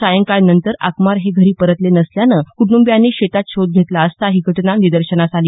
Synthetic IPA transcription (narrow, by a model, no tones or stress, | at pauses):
sajəŋkajnənt̪əɾa̰kmaɾɦeɡʱəɾiːpəɾət̪lenəsljanəkuɽumbjanːiːɕet̪at̪̚ɕʰod̪̚ɡʱet̪laəst̪aɦiɡʱəʈnanid̪əɾɕənasaliː